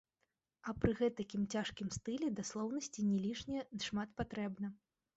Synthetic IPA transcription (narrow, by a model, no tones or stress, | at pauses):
ɐpɾɨɣɛt̪ɐkʲimt͡sʲaʂkʲimst̪ɨlʲɛd̪aslˠɔwnɐsʲt͡sʲinʲɛlʲiʂnʲɛd̪ʂmat̪pat̪ɾɛbnɐ